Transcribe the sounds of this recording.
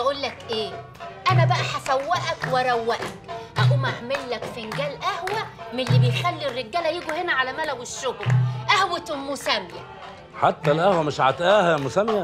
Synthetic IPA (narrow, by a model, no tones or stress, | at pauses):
bæʔulːækʔeː | ʔænæbæʔæħasæwːæʔækwɪɾˤɑwːæʔækʔæʔumæhmelːækfɪnɡæːlʔæhwæmelːibejxælːirːeɡːæːlæjiːɡuhenæʕalæmælæwɪʃːoɡlʔæhwet̪mːʊsæmjæ | ħat̪ːælʔæhwæmɪʃʕa̰t̪ʔæːhæmʊsæmjæ